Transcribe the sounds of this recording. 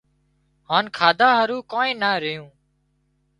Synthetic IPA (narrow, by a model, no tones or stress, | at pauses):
haːnkʰaːd̪ʱaːɦəɾuːkoːẽːnaːɾɪjũː